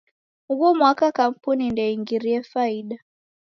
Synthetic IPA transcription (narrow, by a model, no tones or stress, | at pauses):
hukɔmwakakam̩punindɛiŋɡiɾiɛfaiɗa